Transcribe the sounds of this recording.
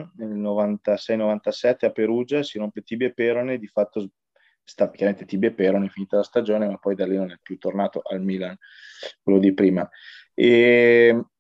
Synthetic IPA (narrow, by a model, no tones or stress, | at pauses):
nelnovant̪asɛjnovant̪asɛt̪ːeapeɾuːd͡ʒasiɾompet̪ibepeɾoned̪ifat̪ːo | st̪akʲjaɾament̪et̪ibepeɾoneiɱfiniːt̪alast̪ad͡ʒoːnemapːɔjd̪alinonɛpːjut̪ːornaːt̪oʔalmilan | kwelːod̪ipɾiːma | e